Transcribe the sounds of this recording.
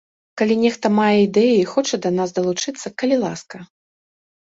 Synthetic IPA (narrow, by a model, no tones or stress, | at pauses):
kalʲinʲɛxt̪ɐmajɛid̪ɛjiixɔt͡ʂɐd̪ɐnasd̪ɐlˠut͡ʂɨt̪sːɐkɐlʲilˠaskɐ